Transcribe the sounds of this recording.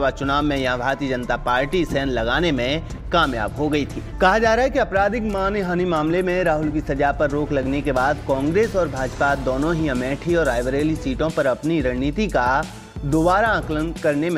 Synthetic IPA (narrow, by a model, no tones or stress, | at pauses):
ʋat͡ʃʊnaːʋːẽjɐɦãbʱaːɾt̪iəd͡ʒɐnt̪apaːɾʈisɛːnlɐɡaːnemẽ | kaːmja̰ːbɦoɡɐit̪ʰiːkɐɦad͡ʒaːɾaːɦɛkiɐpɾaːd̪ɪkmaːnɦaːnimaːmlemẽɾaːɦʊlk̬isɐd͡ʒapɐɾːoːklɐɡnekebaːd̪kɔ̃ːŋɡɾeːsɔːɾbʱaːd͡ʒpad̪oːnõɦiɐmɛːʈʰiɔːɾaːɪʋəɾeːlisiːʈõpɐɾɐpniɾɐɦnit̪ika | d̪ʊbaːɾaə̃klənkɐɾnem̃